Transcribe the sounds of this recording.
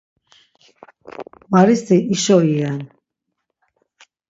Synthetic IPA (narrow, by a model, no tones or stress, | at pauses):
maɾist̪iʔiʃɔiɛn